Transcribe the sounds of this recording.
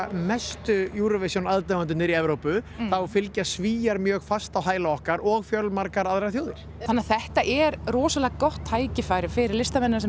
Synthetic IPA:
mɛst̪ʏjuːɾavɪsjownaðt̪ɛmant̪ʏnːɪɾiɛvɾowpʏθawfɪlcasviːjaɾmjœːɣfast̪awɦaːjlaɔhkaɾɔɣfjœlmaɾkaɾaðɾɾaθjoːwðɪɾ̥ | anːaθɛht̪aʔɛɾrɔːsalɛɣkɔht̪haːjcɪfaːjɾɪfɪɾɪɾlɪst̪amɛnːsɛ

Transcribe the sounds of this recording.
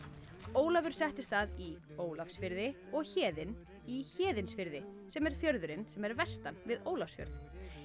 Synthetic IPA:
oːwlavʏɾ̥sɛht̪ɪst̪θaði | oːwlafsfɪɾðɪ | ɔɣçɛːðɪn | içɛːðɪnsfɪɾðɪsɛmɛɾ̥fjœɾðʏɾɪnsɛmɛɾvɛst̪anvɪðoːwlafsfjœ̰ɾθ

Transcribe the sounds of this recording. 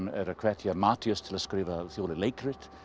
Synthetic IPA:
mɛ̰ɾəkʰɹɛtʰjəmatʰjəstʰɪləskɾɪvəθjoːlɪlejkʰɾɪtʰ

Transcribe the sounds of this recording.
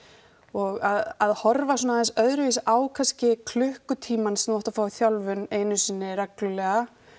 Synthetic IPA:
ɔɣaðaðhɔɾvas̬ɔːnaɛnsœðɾʏvisʔaːwkʰascɪkʰlʏhkʏt̪ʰiːmansɛmvaht̪afaːwʏθjawlvʏneːjnʏsiːnːɪɾɛklʏlɛɣa

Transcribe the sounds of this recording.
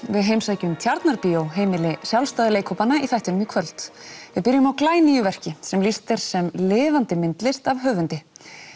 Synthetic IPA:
vɪðɦejmsaːjcʏmt̪ʰjaɾt̪naɾpiowɦeːjmɪlɪsjawlst̪aːðɪleːjkʰowpanːaiθajht̪ʏnʏmikʰvœlt̪vɪðpɪɾjʏmawklaːjnijʏvɛr̥cɪsɛmlist̪ɪɾ̥sɛmlɪːvant̪ɪmɪnt̪lɪst̪avɦœːvʏnt̪ɪ

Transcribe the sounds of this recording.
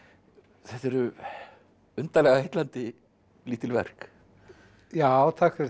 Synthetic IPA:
θɛt̪ɛɾʏ | ʏnt̪alɛːɣaejt̪lant̪ɪ | liːt̪ɪlvɛ̰r̥k | jaːwt̪ʰaːkɪɾ

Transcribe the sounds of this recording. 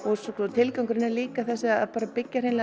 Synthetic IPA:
ɔɣsɔkɔt̪ʰɪlkawŋkʏɾɪnɛɾliːkaθɛsːɪaa̰ðpaːɾapɪcːaɾ̥hejnl

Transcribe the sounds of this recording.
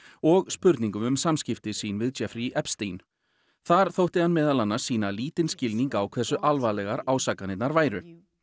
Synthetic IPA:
ɔɣspʏɾt̪niŋkʏmʏmsamscɪft̪ɪsiːnvɪðt͡ʃɛfɾiʔɛpst̪in | θaɾ̥θowht̪ɪhanmɛːðalanːasiːnaliːt̪ɪnscɪlniŋkawkʰv̥ɛsʏʔalvalɛɣaɾaːwsakanɪt̪naɾvaːjɾʏ

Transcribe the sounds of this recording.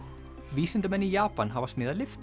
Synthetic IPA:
viːsɪnt̪ʏmɛnːijaːpanɦavasmɪːðalɪft̪

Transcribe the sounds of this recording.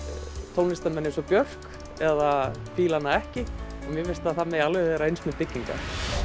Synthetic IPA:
t̪ʰowlnɪst̪ɛnmɛnːensɔpjœr̥k | ɛðafiːlanːaɛhcɪ | ɔmjɛvɪst̪aðθamɛjalvɛɛɾaejnsmɛðpɪcːiŋka̰

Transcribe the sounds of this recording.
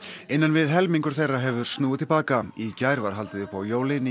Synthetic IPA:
ejnːanvɪðɦɛlmiŋkʏɾ̥θejrːaɦɛvʏɾ̥st̪nuːɪt̪ʰɪlpaːkaicaːjɾvaɾ̥ɦalt̪ɪðʏhpawjoːwlɪn

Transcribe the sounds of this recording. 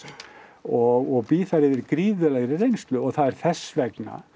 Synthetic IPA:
ɔɣɔɣpiːθaɾɪðɪɾkɾiːðʏlɛɣɾɪrejnst̪lʏɔɣθaðɛɾ̥θɛsːvɛkna̰

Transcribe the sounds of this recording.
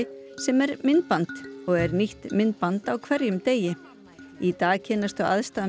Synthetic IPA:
ɪsɛmɛɾmɪnt̪̚pant̪ɔɣɛɾniht̪mɪnt̪̚pant̪awkʰvɛɾjʏmt̪eːjɪ | it̪aːɣcʰɛnast̪ʏaðst̪aːð

